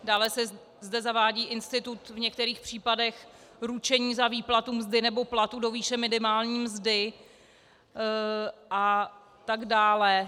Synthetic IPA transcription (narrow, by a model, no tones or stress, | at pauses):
daːlɛsɛ | zdɛzavaːɟiːʔɪnst̪ɪt̪ut̪vɲɛkt̪ɛɾiːxpr̥iːpadɛxɾut͡ʃɛɲiːzaviːplat̪umzdɪnɛbo̞plat̪udo̞viːʃɛmɪnɪmaːlɲiːmzdɪ | ʔa | t̪aɡdaːlɛ